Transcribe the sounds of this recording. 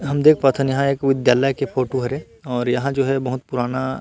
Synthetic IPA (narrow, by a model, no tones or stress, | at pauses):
ɦɐmd̪eːkʰpat̪ʰɐnjɐɦãeːkʋɪd̪jaːləjkepʰoːʈoɦɐɾe | ɔːɾjɐɦãd͡ʒoːɦɛbɐɦʊt̪̚pʊɾaːna